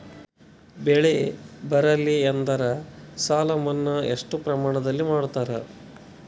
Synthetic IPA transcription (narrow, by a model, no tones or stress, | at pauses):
bɛɭebɐɾɐlːiɐnd̪ɐɾɐsaːlɐmɐnːɐḛʂʈupɾɐmaːɳɐd̪ɐlːimaːɽut̪aːɾɐ